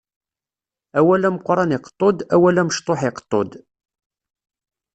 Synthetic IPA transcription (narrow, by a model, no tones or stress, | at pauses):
æwælæməqʷːɾˤɑnɪqə̥t̪ˤːod̪æwælæməʃt̪ˤoħɪqə̥t̪ˤːo̰d̪